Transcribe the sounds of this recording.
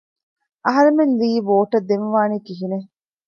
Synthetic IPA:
ʔɐɦɐɾemenliːʋoːʈɐd̪ːenʋaːniːkiɦine

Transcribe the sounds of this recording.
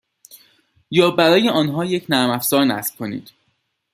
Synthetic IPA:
jɒːbæɾɒːje̞ʔɒːnɦɒːje̞cʰnæɾmæfz̥ɒːɾnæ̰sb̥̚kʰo̞nḭːd̪̥

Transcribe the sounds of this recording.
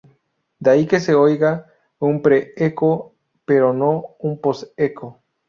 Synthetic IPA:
d̪aikeseojɣa | umpɾeeko | peɾonõumposekʰo

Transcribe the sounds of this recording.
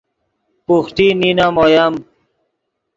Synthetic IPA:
puxt̪ininamojam

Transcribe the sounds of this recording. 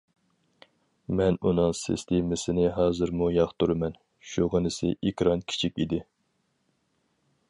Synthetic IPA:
mɛnunɨŋsɪ̰st̪ʰemɪsɪnɪɦɑːzɨɾmujɑχt̪uɾɨmɛn | ʃuʁənɨsɪ̰ʔikʲɾɑnkʲʰi̥t͡ʃʰikʲid̪ɪ

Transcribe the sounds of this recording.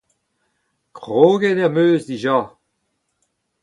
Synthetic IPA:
kʁoːɡɛnɛmøːzdiʒaː

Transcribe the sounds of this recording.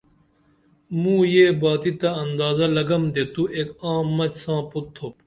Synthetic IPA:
mũːjeːbaːt̪it̪ɐɐnd̪aːzɐlɐɡɐmd̪eːt̪uʔeːkãːmːɐt͡ɕsãːput̪ʰːop

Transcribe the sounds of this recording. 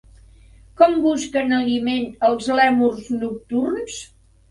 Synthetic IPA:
kɔmbuskənəlimenəlˠzlɛmurznuk̚t̪urns

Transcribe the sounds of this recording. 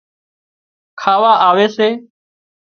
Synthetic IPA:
kʰaːʋaːʔaːʋeːseː

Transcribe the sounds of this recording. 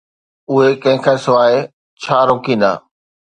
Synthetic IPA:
ʊɦekɐ̃ɦɪ̃kʰaːsʊʋaːe | t͡ɕʰaːɾoːkĩːnd̪a̰ː

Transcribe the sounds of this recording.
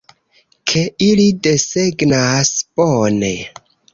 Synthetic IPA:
kʰe̞ilide̞seɡnasb̥one̞

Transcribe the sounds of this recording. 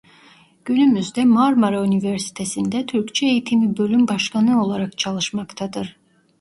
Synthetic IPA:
ɟ̥ynymyzd̪ɛmaɾmaɾayniveɾsi̥t̪ʰesind̪ɛt̪ʰyɾct͡ʃʰɛejit̪ʰimibø̞lʲymbaʃkʰanɯo̞lˠaɾakt͡ʃʰalˠɯʃmakt̪ʰad̪ɯɾ̥

